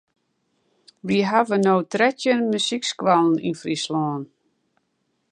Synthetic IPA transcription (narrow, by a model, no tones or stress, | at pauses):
ʋiɦavənowtrɛtjənmysikskʋalˠn̩ḭnfrislɔːn